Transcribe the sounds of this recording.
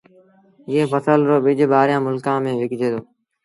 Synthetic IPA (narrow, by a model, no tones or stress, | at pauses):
eːpəsəlɾoːɓɪd͡ʒɓaːɾjãːmʊlkãːmẽːʋɪkd͡ʒʱeːd̪oː